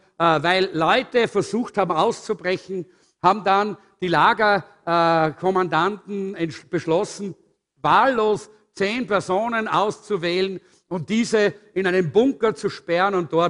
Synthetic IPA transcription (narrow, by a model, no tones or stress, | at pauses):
vaɪlːɔʏtəfɛɐzuːxthaːbm̩aʊst͡subʁɛçn̩ | haːbm̩dan | d̥iːlaːɡɐ | kʰɔmandantn̩ɛnb̥əʃlɔsn̩ | vaːlːoːs | t͡seːnpɛɐzoːnənaʊst͡suvɛːlən | ʊnt̚d̥iːzəɪnaɪnəmbʊŋkɐt͡suʃpɛʁənʊ̃nt̚d̥ɔɐt